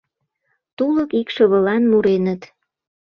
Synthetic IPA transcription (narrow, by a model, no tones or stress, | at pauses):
t̪uləkikʃəβəlɑnmuɾenət̪